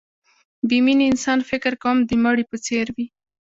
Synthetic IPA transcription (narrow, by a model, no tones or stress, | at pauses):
biminɪnsɑnfɪkɪɾkawəmd̪əmaɽipət͡seɾwi